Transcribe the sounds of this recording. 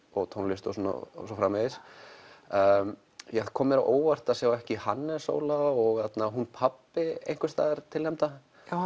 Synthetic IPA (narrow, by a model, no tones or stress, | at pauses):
ɔɣt̪ʰɔnlɪst̪o̰suna̰s̬ɔfɾaːmɛðɪs | m | jɛθkʰɔːmɪɾaʔoːwvar̥t̪asjawɛhcɪhanːɛso̰ːwlaɔɣat̪naɦunpʰapːɪḛjŋkvʏst̪a̰ːðɪɾ̥t̪ʰɪlhɛmt̪a | a